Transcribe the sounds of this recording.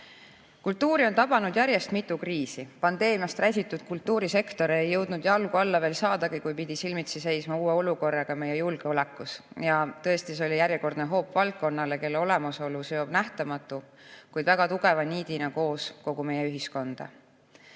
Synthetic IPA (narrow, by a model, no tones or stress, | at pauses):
kult̪ːuːɾio̞nt̪ɑbɑnud̪̥jæɾje̞st̪mit̪ːˑukriːsipɑnd̪̥e̞ːmijɑst̪ræsʲit̪ːˑud̪̥kult̪ːˑuːɾise̞kt̪o̞ɾejːɤ̞wd̪̥nud̪̥jɑlɡ̥uɑlːɑve̞ːlsɑːd̪ɑɡikujpid̪̥isilmit̪sise̞jsmɑuːeo̞luko̞rːɑɡ̥ɑme̞jːejulɡ̥eo̞lɛkːˑus | jɑt̪ɤest̪iseo̞lʲijæɾjɛko̞rd̪neɦo̞ːpːvɑlt̪̚kːo̞nːɑle̞ke̞lːeo̞le̞mɑso̞luseo̞b̥næht̪ɑmɑt̪ːˑukujd̪væɡ̥ɑt̪uɡ̥e̞vɑniːd̪inɑko̞ːsko̞ɡume̞jːeyɦisko̞nd̪̥ɑ̰